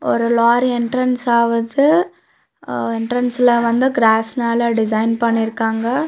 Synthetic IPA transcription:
ɔɾɯlaːɾɛɳʈɾɐnsaːʋɐðɯ | ɛɳʈɾɐnsɪlɐʋɐnd̪ɯɡɾaːsnaːlɐɖɪs̬ɐɪnpɐɳːɪɾɯkːaːŋɡɐ

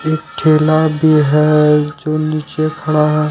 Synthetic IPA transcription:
eːk̚ʈʰeːlabʱiɦɛd͡ʒoniːt͡ʃekʰɐɽaɦɛ

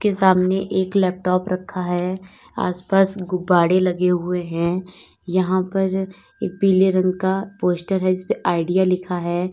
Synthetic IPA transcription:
kesaːmneʔeːklɛːp̚ʈɔːpɾɐkʰːaɦɛː | a̰ːspaːsɡʊbːaːɽelɐɡeɦʊeɦɛ̃ | jɐɦãpɐɾ | ḛːk̚biːleɾə̃ŋɡkapoːsʈəɾɦɛd͡ʒɪspeʔaːɪɖijalɪkʰaɦɛː

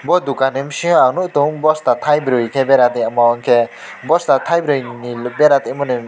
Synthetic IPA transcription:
bɔd̪ukanemsiɔ̃awnuʔt̪uŋbɔst̪at̪ʰajbɾɯjkʰebeɾat̪eamɔɔŋkʰe | bɔst̪at̪ʰajbɾɯjnilbeɾat̪emɔnem

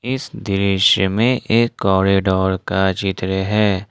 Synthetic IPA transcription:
ɪsd̪ɪɾɪʃjəmẽʔeːkːɔːɾeːɖɔːɾkat͡ʃɪt̪ɾəɦɛː

